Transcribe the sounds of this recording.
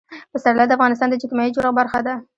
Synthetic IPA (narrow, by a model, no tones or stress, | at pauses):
pəsaɾlɑd̪əafɣɑnɪst̪ɑnd̪əd͡ʒɪk̪majid͡ʒoɾabaɾxad̪a